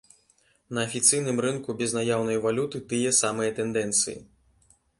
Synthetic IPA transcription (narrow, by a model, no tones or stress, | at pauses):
nɐːfʲit̪sɨjnɨmrɨnkubʲɛznajawnɐjvalʲut̪ɨt̪ɨjɛsamɨjɐt̪ɛnd̪ɛnt̪sɨjḭ